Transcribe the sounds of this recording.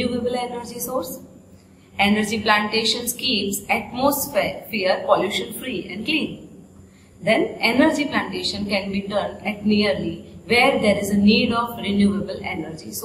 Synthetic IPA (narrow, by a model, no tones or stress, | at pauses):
juːebəlenəɾd͡ʒisoːɾs | ɛnəɾd͡ʒiplãɳʈeːʃə̃nskiːpsæʈ̚moːsffeəɾpɔljuːʃə̃nfɾiːɛ̰̃ɳɖklĩːn | d̪ɛ̃nenəɾd͡ʒiplãɳʈeːʃə̃nkɛ̃nbiːʈəɾnɖɛʈ̚niəɾliʋeːɾd̪eːɾɪzəniːɖɔːʋɾɪnjuːebəlḛnəɾd͡ʒḭso